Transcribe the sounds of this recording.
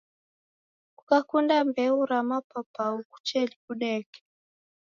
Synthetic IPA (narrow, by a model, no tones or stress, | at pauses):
kukakundambɛuɾamapapauku̥t͡ʃɛlikuɗɛkɛ̥